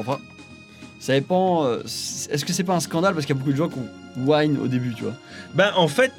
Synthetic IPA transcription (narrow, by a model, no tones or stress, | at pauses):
ɑ̃fɛ̃ | sad̪epɑ̃øsɛs̬kəsɛp̬aɛ̃skɑ̃d̪alpaʁsəkəijabok̬ud̪əʒɑ̃kɔ̃waɲo̰d̪ebyt̪yvwa̰bɛʔɑ̃fɛt̪